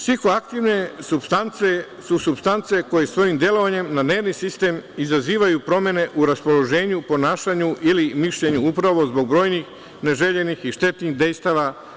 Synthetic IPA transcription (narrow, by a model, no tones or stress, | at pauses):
sʋiko̞akt̪iʋne̞subst̪ant̪se̞ | susubst̪ant̪se̞ko̞je̞sʋo̞jimd̪je̞lo̞ʋaɲe̞mnane̞ːɾnisist̪e̞mizaziːʋajupɾo̞mje̞ne̞ʔuɾaspo̞lo̞ʒe̞ːɲupo̞naːʃaɲuʔilimiʃʎeɲuupɾaʋo̞zbo̞ɡ̚bɾo̞ːjnix | ne̞ʒe̞ʎe̞nixiʃt̪e̞t̪niɣd̪e̞jst̪aʋa